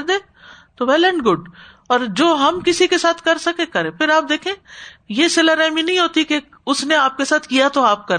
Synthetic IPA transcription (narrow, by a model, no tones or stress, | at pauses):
ɾd̪ẽː | t̪oʋɛːlə̃ɳʈɡʊɖ | ɔːɾd͡ʒoːɦɐmkɪsikesaːt̪ʰkɐɾsɐkẽkɐɾẽːpʰɪɾaːp̚d̪eːkʰẽːjesɪləɾɛːminɐɦĩɦoːt̪ike | ʊsneaːp̚kesaːt̪ʰkijat̪oaːp̚kɐɾ